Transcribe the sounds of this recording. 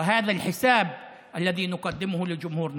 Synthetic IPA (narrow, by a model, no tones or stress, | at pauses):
ɪɦaːðalħɪsaːb̚ | ʔalːaðiːnʊqɑd̪ːɪmʊhʊlɪd͡ʒʊmhuːɾn